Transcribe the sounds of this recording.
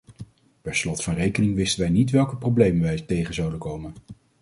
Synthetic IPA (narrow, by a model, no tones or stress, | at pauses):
pɛɹslɔtfɑnrejkənɪŋʋɪstənʋɛjnitʋɛlˠkəprowblejmənʋɛjtejχənzɑwdəkowmən